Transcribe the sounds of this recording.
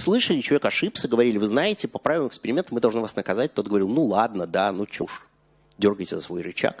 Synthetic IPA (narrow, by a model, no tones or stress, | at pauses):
slˠɨʂəlʲɪt͡ɕɪlˠɐvʲekɐʂɨpsʲəɡəvɐɾʲilʲɪvɨznajɪtʲɪpɐpɾavɪvəmʊɪkspʲɪɾʲɪmʲent̪ʊmɨd̪ɐlˠʐnɨvasnəkɐzat̚ʲt̪ot̪̚ɡəvɐɾilˠnulˠad̪nəd̪anut͡ɕuʂ | dʲo̞rɡəjtʲɪzə̰svo̞jɾɪt͡ɕa̰k